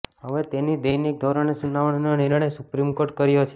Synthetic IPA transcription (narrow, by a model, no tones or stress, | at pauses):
ɦəʋet̪enid̪əjnik̚d̪ʱoɾaɳesunaʋəɳ̃noniɾəɳ̃esupɾimkoɾʈ̚kəɾjot͡ʃʰe